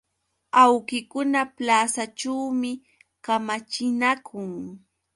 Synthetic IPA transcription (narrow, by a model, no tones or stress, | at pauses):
awkɪkʊnaplaːsaʈ͡ʂawmɪ | kamat͡ʃɪnakʰʊŋ